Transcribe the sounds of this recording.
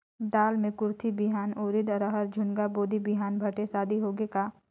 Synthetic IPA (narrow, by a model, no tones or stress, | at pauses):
d̪aːlmẽkʊɾt̪ʰibɪɦaːnoːɾɪd̪ɾəɦəɾd͡ʒʱʊnɡaboːd̪ʱibɪɦaːnbʱɐʈesaːd̪ʱiɦoːɡeka